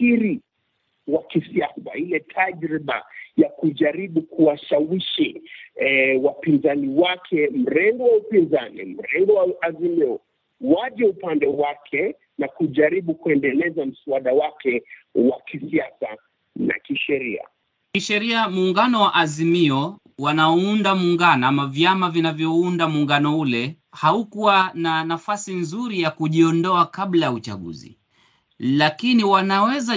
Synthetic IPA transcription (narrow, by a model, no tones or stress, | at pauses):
siɾi | wakisiasa̰ilɛtʰaʄɾiɓa̰jakuʄaɾiɓukuwaʃawiʃi | wapinzaniwakʰɛm̩ɾɛŋɡɔwaupinzanḭm̩ɾɛŋɡɔwaazimiɔ | waʄɛupandɛwakʰɛ | nakuʄaɾiɓukuɛndɛlɛzam̩suaɗawakʰɛwakisiasa | na̰kiʃɛɾia̰ | kiʃɛɾiamuːŋɡanɔwaʔazimiɔ | wanaundamuŋɡanɔamavjamavinavjɔundamuːŋɡanɔulɛ | haukuwananafasinzuɾijakuʄiɔndɔakaɓlajaut͡ʃa̰ɠṵzḭ | lakiniwanawɛza